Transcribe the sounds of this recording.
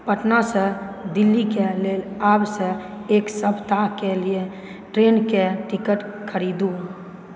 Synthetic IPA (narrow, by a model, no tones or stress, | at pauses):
pəʈnased̪ɪlːikeleːlaːbse | eːksəbʱt̪akelie | ʈɾeːnkeʈɪkəʈkʰəɾiːd̪uɦa